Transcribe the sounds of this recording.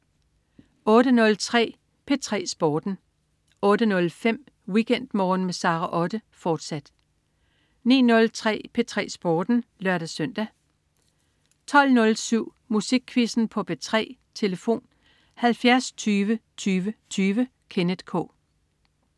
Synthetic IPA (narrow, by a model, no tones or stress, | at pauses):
ɔ̽ːɾ̥ənɔ̽lt͡sʰʁɛ̰ː | pʰe̝t͡sʰʁɛ̰ːsb̥ɒːd̥n̩ | ɔ̽ːɾ̥ənɔ̽lfem̰ | wikʰen̰d̥mɒːn̩mesɑ̈ːʁɑʔɒ̽d̥əfɒːd̥sæd̥ | nḭːnɔ̽lt͡sʰʁɛ̰ːpʰe̝t͡sʰʁɛ̰ːsb̥ɒːd̥n̩lɶɐɾ̥æsœn̰d̥æ | t͡sʰɒ̽l̰nɔ̽lsyʊ̰ | musiɡ̥̚kʰːʋisn̩pʰɒ̽pʰe̝t͡sʰʁɛ̰ːt͡sʰe̝ləfo̝̰ːn | hælfjæɐst͡sʰyːʋət͡sʰyːʋət͡sʰyːʋə | kʰe̝ned̥kʰɔ̰̽ː